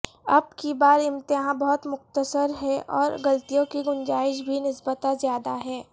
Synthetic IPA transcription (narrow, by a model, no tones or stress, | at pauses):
ɐbkibaːɾɪ̃mt̪ɪɦãbɐɦʊt̪mʊqt̪əsəɾɦɛʔɔ̰ːɾɡɐlt̪ijõkiɡʊnd͡ʒaːɪʃbʱinɪsbət̪ãzjaːd̪aɦɛː